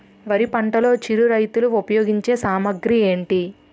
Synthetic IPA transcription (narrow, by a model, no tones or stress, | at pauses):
ʋɐɾipɐɳʈɐlo̞ːt͡ʃiɾuɾɐjt̪uluopɐjoːɡiɲt͡ʃe̞ːsaːmɐɡɾie̞ːɳʈi